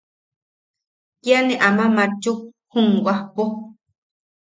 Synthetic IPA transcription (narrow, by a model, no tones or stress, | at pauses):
kjanẽʔamãmãt͡ʃu | hũŋɡʷahpo